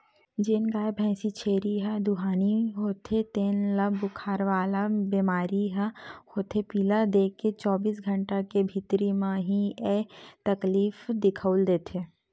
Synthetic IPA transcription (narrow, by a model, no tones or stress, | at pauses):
d͡ʒeːnɡaːjbʱɛ̃ːsit͡ʃʰeːɾiɦad̪uɦaːniɦoːt̪ʰet̪eːnlɐbʊkʰaːɾʋaːlabiːmaːɾiɦahoːt̪ʰepiːlad̪eːkːet͡ʃɔːbiːs̬ɡʱə̃ɳʈakebʱit̪ɾimãɦiet̪ɐkliːfd̪ɪkʰəʊld̪eːt̪ʰeː